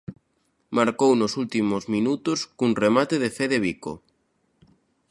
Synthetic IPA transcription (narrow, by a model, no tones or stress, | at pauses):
maɾkownosult̪imozmĩnut̪oskunremat̪eðefeðeβ̞iko̰